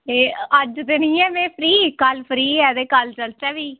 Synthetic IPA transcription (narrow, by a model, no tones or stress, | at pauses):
eːəd͡ʒt̪eːnĩːɛːmɛ̃ːpʰɾiːkəlpʰɾiːɛːd̪eːkəlt͡ʃəlt͡ʃɛːʋiː